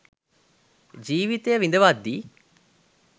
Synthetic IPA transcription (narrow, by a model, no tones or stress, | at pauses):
d͡ʒiːʋit̪ejəʋind̪əʋad̪ːiː